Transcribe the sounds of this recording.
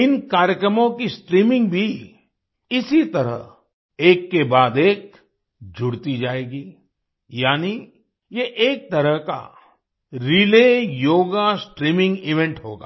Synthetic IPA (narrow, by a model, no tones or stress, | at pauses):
ɪnkaːɾjəkɾəmõkisʈɾiːmɪ̃ŋɡbʱi | ɪsit̪ɐɾə̰ɦ | eːkːebaːd̪eːk | d͡ʒʱʊɽt̪id͡ʒaːeːɡiː | jaːni | jeʔeːk̚t̪ɐɾəɦka̰ | ɾileːjoːɡasʈɾiːmɪ̃ŋɡɪʋɛ̃ɳʈɦoːɡa̰ː